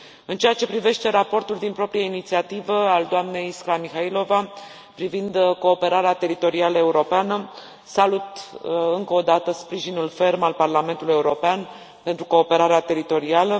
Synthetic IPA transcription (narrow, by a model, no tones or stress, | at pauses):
ɨnt͡ʃe̞jat͡ʃe̞pɾive̞ʃt̪e̞ɾapo̞rt̪uld̪inpɾo̞pɾijainit̪siat̪ivəald̪oamne̞jskɾamixailo̞va | pɾivind̪ko̞ːpe̞ɾaɾeat̪e̞ɾit̪o̞ɾialəe̞uɾo̞peanə | salut̪ɨŋkəod̪at̪əspɾiʒinulfe̞rmalparlame̞nt̪uluje̞uɾo̞pean | pe̞nt̪ɾuko̞ːpe̞ɾaɾeat̪e̞ɾit̪o̞ɾialə